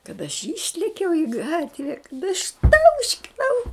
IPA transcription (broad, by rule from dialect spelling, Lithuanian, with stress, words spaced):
kɐt ɐʃ ˈiːʃʲlʲɛkʲɛʊ ɪ ˈɡɑːtʲʋʲɛ ɪʃˈtɐʊʃʲkʲɪnɐʊ